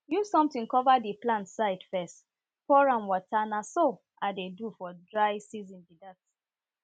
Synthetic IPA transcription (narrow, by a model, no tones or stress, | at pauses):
ju̥sɔ̃mtĩnkɔvadiplãntsaɪdfɛst | fɔɹãmwɔtanaso | adedufɔdɹaɪsizĩnbidat